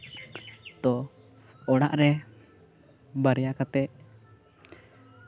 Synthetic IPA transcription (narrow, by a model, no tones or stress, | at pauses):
t̪ɔ | ɔɽaʔɾɛ | baɾjakat̪ɛʔ